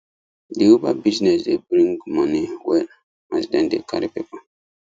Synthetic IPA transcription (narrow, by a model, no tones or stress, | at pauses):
diobabiznɛsdebɾĩŋɡmãniwɛ | asdɛ̃ndḛkʰa̰ɾipepa